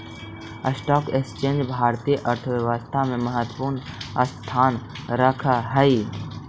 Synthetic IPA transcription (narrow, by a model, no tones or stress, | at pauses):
əsʈɔːkekst͡ʃẽːnd͡ʒbʱaːɾt̪iːjəʔəɾt̪ʰəʋjəʋəst̪ʰamẽməɦət̪wəpuːɾnəst̪ʰaːnɾəkʰaɦəi